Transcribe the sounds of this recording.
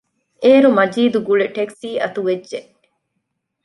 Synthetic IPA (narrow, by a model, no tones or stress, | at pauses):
eːɾumɐd͡ʒiːd̪uɡuɭeʈeksiːʔɐt̪uʋed͡ʒʒe